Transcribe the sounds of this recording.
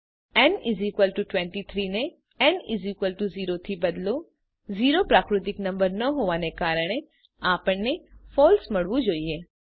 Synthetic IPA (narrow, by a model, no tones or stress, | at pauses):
ɛnɪzikʋəlʈuʈʋɛ̃ɳʈit̪ʰɾiːne | ɛnɪzikwəlʈuziːɾot̪ʰibɐd̪lo | ziːɾopɾaːkɾɪt̪ɪknɐ̃mbəɾnɐɦoːʋãnekaːɾəɽ̃e | aːpəɳnefɔːlsmɐɽʋũd͡ʒoːieː